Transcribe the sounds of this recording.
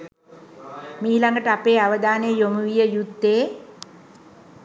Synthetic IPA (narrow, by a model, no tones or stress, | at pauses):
miːlaŋɡəʈəapeːaʋəd̪aːnejjomuʋijəjud̪ːeː